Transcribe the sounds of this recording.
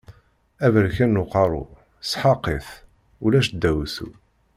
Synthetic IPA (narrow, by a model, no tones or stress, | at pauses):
ævəɾçænːʊqɑɾˤʊ̰ | sħɑqːiθ | ulæʃd̪ːæwsṵ